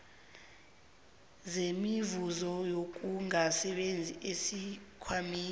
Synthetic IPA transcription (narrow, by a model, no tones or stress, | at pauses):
zemivuzɔjok̬uŋasɛɓend͡zʱiʔesikʰwamiː